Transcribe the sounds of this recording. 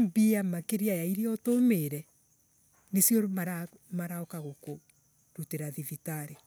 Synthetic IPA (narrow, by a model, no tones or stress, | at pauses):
mbiamakeɾiajaiɾeɔtomeɾɛ | nesjɔmaɾa | maɾaɔkaɣoko | ɾuteɾaðivitaɾe